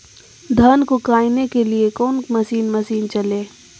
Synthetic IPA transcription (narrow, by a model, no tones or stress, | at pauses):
d̪ʱɐnkokaːɪnekeliekɔːnmɐsiːnmɐsiːnt͡ʃɐleː